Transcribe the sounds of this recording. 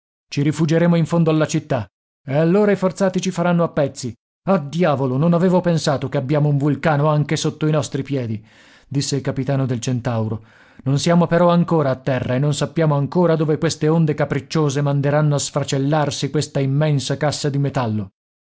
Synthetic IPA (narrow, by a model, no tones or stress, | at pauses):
t͡ʃiɾifud͡ʒeɾeːmoiɱfond̪oalːat͡ʃit̪ːa | ealːoːɾaifort̪saːt̪it͡ʃifaɾanːoapːɛt̪sːi | ad̪jaːvolononaveːvopensaːt̪okeabːjaːmouɱvulkaːnoaŋkesot̪ːoinɔst̪ɾipjɛːd̪i | d̪isːeilkapit̪aːnod̪elt͡ʃent̪awɾo | nonsjaːmopeɾɔaŋkoːɾaːt̪ːɛrːaenːonsapːjaːmoaŋkoːɾad̪oːvekwest̪eond̪ekapɾit͡ʃːoːzemand̪eɾanːoasfɾat͡ʃelːarsikwest̪aimːɛnsakasːad̪imet̪alːo